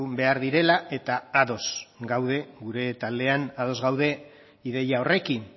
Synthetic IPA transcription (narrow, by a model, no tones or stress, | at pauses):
be̞aɾðiɾe̞laʔe̞t̪aaðo̞sɡawð̞e̞ɡuɾe̞t̪ald̪e̞anað̞o̞zɣawðe̞ | iðe̞jao̞re̞kin